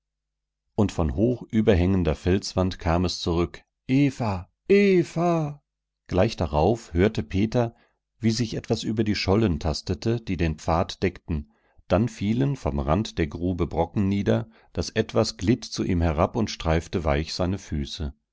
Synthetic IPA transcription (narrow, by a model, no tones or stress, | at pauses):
ʔʊntfɔnhoːxʔyːbɐɦɛŋəndɐfɛlt͡sv̥antkʰaːmɛst͡suʁʏk | ʔeːfa | ʔeːfa | ɡ̥laɪçd̥aʁaʊfhøːɐtəpʰeːtɐ | viːzɪçʔɛtv̥asʔyːbɐdiːʃɔləntʰastətʰəd̥iːdeːnpp͡faːtd̥ɛktn̩ | d̥anfiːlənfɔmʁantd̥eːɐɡʁuːbəbʁɔkŋ̩niːdɐ | d̥asʔɛtv̥asɡ̥lɪtt͡suʔiːmɦɛʁapʊntʃtʁ̥aɪftəvaɪçz̥aɪnəfyːsə